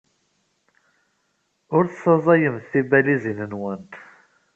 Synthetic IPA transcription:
ʊɾθsˤɑzˤɑjəmθθibælizinənwənt̪

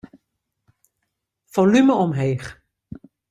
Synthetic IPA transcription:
folyməɔmɦeːχ

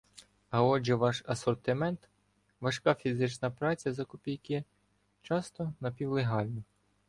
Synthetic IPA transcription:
ɐɔd͡ʒɛʋɑʃɐsɔrt̪ɪmɛnt̪ | ʋɐʃkɑfʲizɪt͡ʃnɐpɾɑt͡sʲjɐzɐkʊpʲijkʲɪ | t͡ʃɑst̪ɔnɐpʲiwlˠeɦɑlʲnɔ

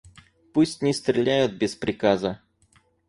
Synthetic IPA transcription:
pusʲtʲnʲɪst̪ɾʲɪlʲæjʊt̪̚bʲɪspɾʲɪkazə

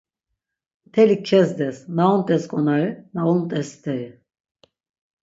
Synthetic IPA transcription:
t̪ʰɛlik̚t͡ʃʰɛsd̪ɛsnaunt̪ʼɛskʼɔnaɾinaunt̪ʼɛst̪ʰɛɾi

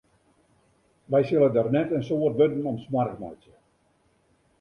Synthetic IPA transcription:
ʋɛjsɪlˠədarnɛtənsoərtʋødən̩ɔmsmarkma̰tjə

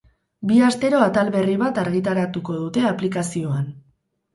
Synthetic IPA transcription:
biast̪e̞ɾo̞at̪alβe̞riβ̞at̪aɾɣ̞it̪aɾat̪uko̞ð̞ut̪e̞aplikasio̞an

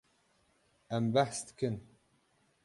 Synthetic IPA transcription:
æmbæħsd̪ɨ̥kʰɨn

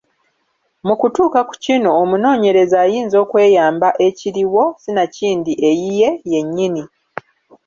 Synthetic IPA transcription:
mukutuːkaku̥cino̞ːmuno̞ːɲe̞ɾe̞zaːjiːnzo̞ːkwe̞ːjaːmbaʔe̞ciɾiwo̞sinaciːndiʔe̞jije̞je̞ɲːini

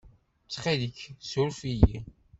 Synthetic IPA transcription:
t͡sːχiðəçsʊɾfijḭ

